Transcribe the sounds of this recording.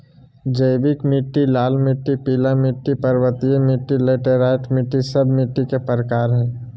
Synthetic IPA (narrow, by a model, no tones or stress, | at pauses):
d͡ʒəɪbɪkmɪʈːilaːlmɪʈːipiːlamɪʈːipɐɾwət̪ijemɪʈːileːʈeɾaːɪʈmɪʈːisɐbmɪʈːikepəɾkaːɾɦɛ̃ː